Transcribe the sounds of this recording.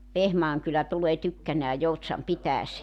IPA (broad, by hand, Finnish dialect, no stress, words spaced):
ʋehmɑːŋ kylæ tuleː tykːænæː joutsɑm pitæːseː